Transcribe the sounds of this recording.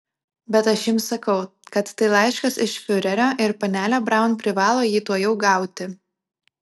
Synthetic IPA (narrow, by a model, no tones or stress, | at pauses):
bʲɛt̪ɐʃjɪmsɐkɐʊkɐt̪ːɐɪlˠɑɪʃkɐsɪʃfʲʊɾʲɛɾʲoːʔɪɾpɐnʲæːlʲoːbɾɑˑʊnpʲɾʲɪʋɑːlˠoːjiːt̪uɔjɛʊɡɑˑʊt̪ʲɪ